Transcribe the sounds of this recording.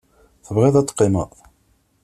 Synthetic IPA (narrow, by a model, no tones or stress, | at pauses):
θəvʁɪðˤæt̪ːqːɪmə